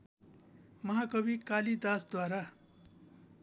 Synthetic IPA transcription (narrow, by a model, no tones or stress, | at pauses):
mʌɦakʌbikalid̪asd̪waɾa